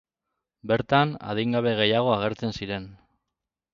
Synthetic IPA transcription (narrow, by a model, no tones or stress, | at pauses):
be̞ɾt̪ana̰ð̞iŋɡaβe̞ɣ̞e̞jaɣ̞o̞aɣ̞e̞ɾt͡se̞nsiɾe̞n